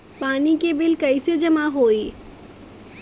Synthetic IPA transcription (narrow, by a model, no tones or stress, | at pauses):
paːnikebɪlkɐɪsed͡ʒɐmaɦoːi